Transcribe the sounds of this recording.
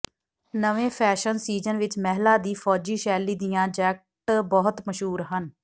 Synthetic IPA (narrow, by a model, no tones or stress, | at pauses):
nəʋẽːpʰɛːʃənsiːd͡ʒənʋɪt͡ʃmɛɦlaːd̪iːfʰɔːd͡ʒiːʃɛːliːd̪ɪjãːd͡ʒɛːk̚ʈbɔːʊt̪məʃɦuːɾɦən